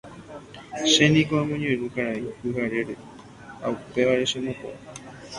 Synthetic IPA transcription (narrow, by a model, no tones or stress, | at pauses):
ʃe̞nĩkoãmõɲẽɾũkaɾaihɨɦaɾe̞ɾe | ha̰upe̞ʋaɾe̞ʃẽmõpo̰a